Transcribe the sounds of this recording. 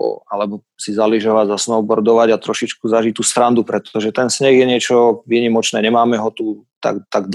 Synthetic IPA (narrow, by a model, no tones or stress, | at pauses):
ɔ̰alɛbɔ | sizaliʒɔʋaɟzasnɔʊbɔɾd̪ɔʋaɟat̪ɾɔʃit͡ʃkuzaʒic̚t̪ːuːst̪ɾand̪upɾɛt̪ɔʒɛt̪ɛnsɲɛɣjɛɲɪɛt͡ʃɔʋiːɲimɔt͡ʃnɛːɲɛmaːmɛɦɔt̪ut̪a̰ɡt̪aɡd̪